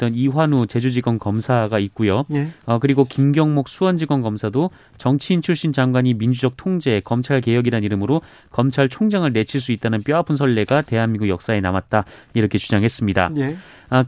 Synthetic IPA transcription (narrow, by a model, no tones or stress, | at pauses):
t͈ʌniɸwanut͡ɕe̞d͡ʑud͡ʑiɡwʌnkʌmsʰaɡait̚k͈ujoʌkɯɾiɡokimɡjʌŋmok̚s͈ʰuwʌnd͡ʑiɡwʌnkʌmsʰado | t͡ɕʌŋt͡ɕʰiːnt͡ɕʰuɭɕ͈ind͡ʑaŋɡwaɲimind͡ʑud͡ʑʌk̚tʰoŋd͡ʑe̞kʌmt͡ɕʰaɭke̞jʌɡiɾanniɾɯmɯɾo | kʌmt͡ɕʰaɭt͡ɕʰoŋd͡ʑaŋɯɭne̞t͡ɕʰiɭs̬͈uit̚t͈anɯnp͈jʌapʰɯns̬ʰʌɭːe̞ɡate̞ɦanmiŋɡujʌk̚s͈ae̞namat̚t͈aiɾʌkʰe̞t͡ɕud͡ʑaŋɦe̞s͈ɯmɲida̰